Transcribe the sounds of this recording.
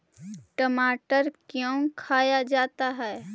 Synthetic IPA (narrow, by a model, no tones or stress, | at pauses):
ʈəmaːʈəɾkjõːkʰaːjad͡ʒaːt̪aɦɛː